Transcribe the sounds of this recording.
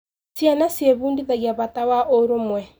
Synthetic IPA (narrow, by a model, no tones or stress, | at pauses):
sjanasjeβuːndiðaɣjaβatawaʔoɾomwɛ